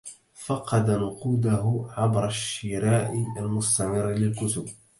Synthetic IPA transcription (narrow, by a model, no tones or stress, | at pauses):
fɑqɑd̪anʊquːd̪aɦʊʕabɾˤaʃːɪɾaːʔɪalmʊst̪amɪrːlɪlkʊt̪ʊb